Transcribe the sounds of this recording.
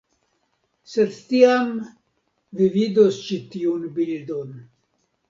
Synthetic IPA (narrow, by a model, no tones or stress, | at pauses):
sed̪t̪iam | vivid̪ost͡ʃit̪iunbild̪on